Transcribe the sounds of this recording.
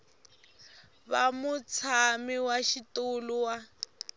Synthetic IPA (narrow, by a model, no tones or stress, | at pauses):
βa̰mut͡sʰamiwaʃituluwa